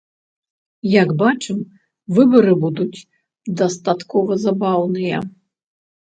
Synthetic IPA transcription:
jaɡbat͡ʂɨm | vɨbɐɾɨbud̪ut͡sʲ | d̪ɐst̪at̪kɔvɐzabawnɨjɐ

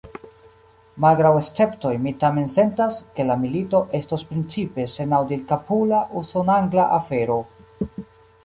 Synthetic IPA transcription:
malɡɾawe̞st͡se̞pto̞jmitame̞nse̞ntaske̞lamilito̞ʔe̞stospɾint͡sipe̞se̞nawdilkapulaʔusonaŋɡlaʔafe̞ɾo̞

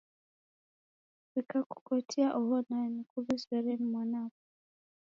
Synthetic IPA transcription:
βikaku̥kɔtʰiaʔuβɔnanikuβiswɛɾɛnimwanakɔ

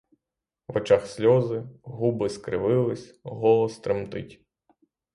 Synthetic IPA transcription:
ʋɐt͡ʃaxsʲlʲɔzɪɦubɪskɾɪ̰ʋɪlˠɪsʲɦɔlˠɔst̪ɾɪmt̪ɪtʲ

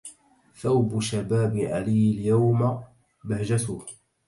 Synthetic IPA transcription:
θawbʃabaːbɪʕa̰liːɪljawma | bahd͡ʒat̪ʊːh

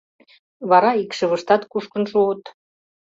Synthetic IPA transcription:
βɑɾɑikʃə̆βə̆ʃt̪ɑt̪kuʃkə̆nʃuot̪

